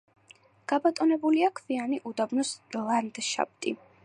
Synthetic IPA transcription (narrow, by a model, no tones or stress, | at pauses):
ɡ̥abat̪ʼɔnɛbuliakʰvianiʔud̪abnɔslˠand̪ʃa̰b̚t̪ʼḭ